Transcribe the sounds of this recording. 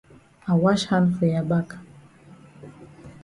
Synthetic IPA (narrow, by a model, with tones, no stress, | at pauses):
a˨wa˦ʃha˦nfe˨ja˨ba˦k